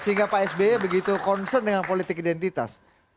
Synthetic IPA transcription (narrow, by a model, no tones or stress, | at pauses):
səɦiŋɡapaɛsbeɛbəɡit̪ukɔnsərndəŋanpolit̪ɪkidɛnt̪it̪a̰s